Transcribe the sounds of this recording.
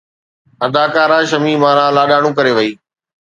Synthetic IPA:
ɐd̪aːkaːɾãːʃɐmiːmãːɾãːlaːɗaːɽ̃ũːkɐɾeʋɐiː

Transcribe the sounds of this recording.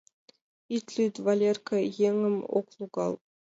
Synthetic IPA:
it̪lʲyd̪valʲerkajeŋɘmo̰klˠuɡɑlˠ

